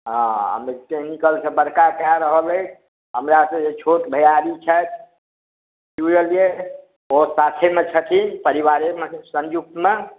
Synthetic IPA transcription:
ɦɔ̃ɦə̰met̪ekʰnikəlsʰebəɾkakaɾəɦələ | ɦəmɾasə̃et͡ʃʰoʈ̪bʱəjaɾit͡ʃʰət̪̚ʰ | d͡ʒujəlije | osat̪ʰemet͡ʃʰət̪ʰipəɾiwaɾemesə̃nd͡ʒuk̚t̪me

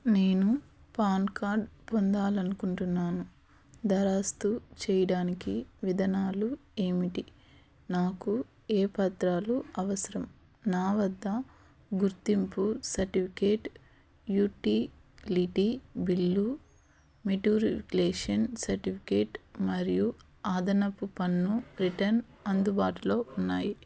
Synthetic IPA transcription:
neːnu | paːnkaːɾɖpond̪aːlɐnukuɳʈunːaːnu | d̪ɐɾaːst̪ut͡ʃɛːjɐɽaːnikiʋid̪ʱɐnaːlue̞ːmiʈi | naːku | eːpɐt̪ɾaːluɐʋɐsɐɾɐm | naːʋɐd̪ʱːɐ | ɡuɾt̪impusɐɾʈipʰikeːʈ | juːʈiːliʈibilːu | meʈjuːɾipkleːʂɐnsɐɾʈipʰi̥keːʈmɐɾiju | aːd̪ʱɐnɐpːupɐnːubɾiʈɐn | ɐnd̪ubaːʈulo̞ːunːaːji

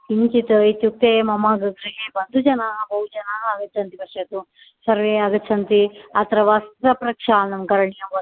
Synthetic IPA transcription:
iɲt͡ʃit̪ɐit̪juk̚t̪eːmɐmɐɡɐkɾiɦebɐnd̪ʱud͡ʒɐnabɐɦud͡ʒɐnaːɡɐtːt͡ʃʰɐnt̪ibɐʃɐt̪u | sɐɾʋeːɐɡɐt̪ːt͡ʃʰɐnt̪iɐt̪ɐɾɐʋɐst̪ɾɐpɾɐkʂaːnɐmkɐɾɐɳijɐmɐ

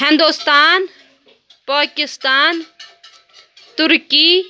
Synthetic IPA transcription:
ɦɪnd̪ust̪aːn | paːkɪst̪aːn | t̪ʊɾki

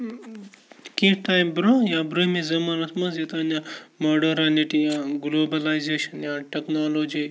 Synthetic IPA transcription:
kiʈajmbɾojabɾomizɐmanɐsmɐsjet̪anjamɔɖɐɾaniʈijaɡloːbɐlajzeʃɐnjaʈeknalod͡ʒi

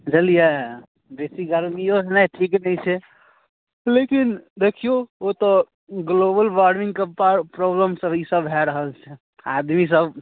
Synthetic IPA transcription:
d͡ʒəlijɛ | besiɡəɾmijosnɛʈʰiknɛjt͡ʃʰɛ | lekind̪ekʰijoot̪ɔ | ɡlobəlʋaɾmĩŋɡkəpapɾobləmsəbisəbɦɛɾəɦəlt͡ʃʰɛ | ad̪mis̬əb

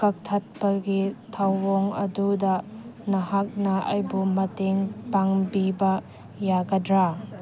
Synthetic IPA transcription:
kɐk̚tʰɐt̚pɐɡitʰawːoŋɐ̰dudɐnɐɦak̚nɐɐ̰jbumɐteŋpaŋbibɐ | jaɡɐdɾa

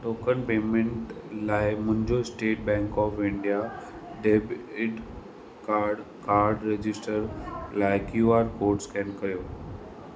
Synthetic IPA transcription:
ʈoːkənpeːmẽɳʈlaːɪmʊ̃ɦɪ̃ɲd͡ʑosʈeːʈ̚bɛ̃ːŋkɔːfɪ̃ɳɖija | ɖeːbɪɖ | kaːɖ | kaːɾɖɾed͡ʑɪsʈəɾlaːɪkjuaːɾkoːɾʈskɛ̃nkɐɾijoː

